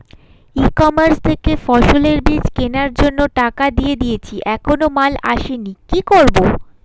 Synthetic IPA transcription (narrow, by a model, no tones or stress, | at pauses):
ikɔmaɾst̪ʰekefɔʃoleɾbɾid͡ʑkenaɾd͡ʑonːoʈakad̪ijed̪ijet͡ɕʰiʔɛkʰonomala̰ʃenikikoɾbo